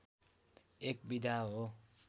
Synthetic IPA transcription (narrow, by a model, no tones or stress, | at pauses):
ek̚bid̪ʱaɦo